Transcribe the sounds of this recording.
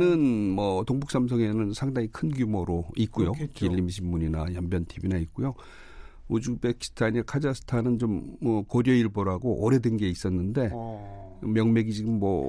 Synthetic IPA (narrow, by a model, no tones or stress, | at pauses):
nɯnmʌtoŋbuks͈amsʰʌŋe̞nɯnsʰaŋdaŋikʰɯnɡjumoɾoik͈ujokiʎːimɕ̬ʰimːuɲinajʌmbjʌntʰibinaik͈ujo | od͡ʑubekʰi̥stʰaɲiakʰad͡ʑasʰɯ̥tʰanɯnt͡ɕomʌkoɾjʌiɭboɾɦaɡoʔʌɾe̞denɡe̞is͈ʌnːɯnde̞ | mjʌŋme̞ɡid͡ʑiɡɯmːʌ̰